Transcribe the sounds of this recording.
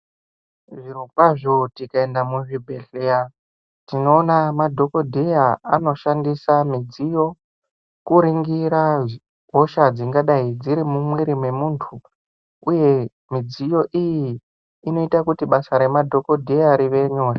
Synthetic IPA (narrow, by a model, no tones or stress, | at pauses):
ʐiɾuɡwaʐo̞tikae̞ndamuʐibʱe̞ɬeja | tino̞ːnamadʱo̞ko̞dʱejaa̰no̞ʃandisamid͡zijo̞ | kuɾiŋɡiɾa | ɦo̞ʃad͡ziŋɡaɗaid͡ziɾimumweɾimwe̞muːntʰu | uje̞ | mid͡zijo̞ʔijiː | no̞itakutiɓasaɾe̞madʱo̞ko̞dʱejaɾiʋe̞ɲo̞ːra